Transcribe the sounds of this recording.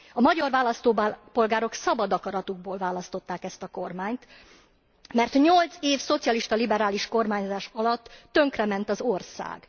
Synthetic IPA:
ɒmɒɟɒrvaːlɒst̪oːpo̞lɡaːɾo̞ksɒbɒd̪ɒkɒɾɒt̪uɡ̚boːlvaːlɒst̪o̞t̪ːaːkɛst̪ɒko̞rmaːɲt̪ | mɛrt̪ɲo̞lt̪seːfso̞t̪sijɒliʃt̪ɒlibɛɾaːliʃko̞rmaːɲzaːʃɒlɒt̪ːø̞ŋkrɛmɛnt̪ɒzo̞rsa̰ːɡ̥

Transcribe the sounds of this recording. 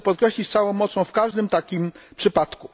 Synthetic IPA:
pɔt̪kɾɛɕlʲit͡ɕt̪sawɔ̃w̃mɔt̪sɔ̃w̃fkaʐd̪ɘmt̪akʲimpʂɘpat̪ku

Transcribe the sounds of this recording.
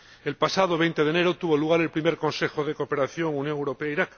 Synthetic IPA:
e̞lpasað̞o̞βe̞jnt̪e̞ðene̞ɾot̪uβoluɣ̞aɾe̞lpɾime̞ɾko̞nse̞xo̞ð̞e̞ko̞ːpe̞ɾaθjo̞ŋunjõ̞ŋewɾo̞pe̞aiɾak

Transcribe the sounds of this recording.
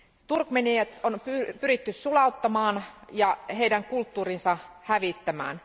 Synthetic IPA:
t̪urkmeniæt̪onpypyɾit̪ːyssulɑut̪ːɑmɑːnjɑɦeidæŋkult̪ːuːrinsɑhæʋit̪ːæmæ̰ːn

